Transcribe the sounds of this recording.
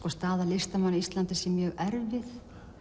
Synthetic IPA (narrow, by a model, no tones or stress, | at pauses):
kɔst̪aːðalɪst̪amanːiist̪lant̪ɪsɛmjœːɣɛɾvɪθ